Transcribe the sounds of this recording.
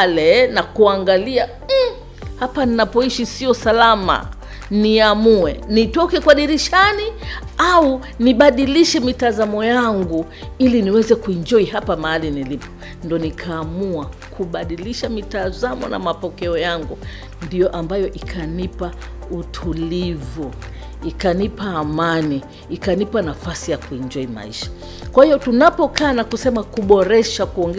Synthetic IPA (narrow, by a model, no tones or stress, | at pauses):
lɛnakuaŋɡalia | hapaninapɔiʃisiɔsalama̰ | niamuɛnitɔkɛkwaɗiɾiʃaniau | niɓaɗiliʃɛmitazamɔjaŋɡu | iliniwɛzɛkuind͡ʒɔiɦapamaalinilipɔ̥ | ndɔnikʰaːmuakʰuɓaɗiliʃamitazamɔ̰na̰mapɔkɛɔjaŋɡu | ndijɔʔambajɔʔikʰanipa | utʰulivu | ikanipaːmaniː | kanipanafasijakuind͡ʒɔima̰iʃḁ | kwahiɔtunapɔkaːnakusɛmakuɓɔɾɛʃakuɔŋɡɛ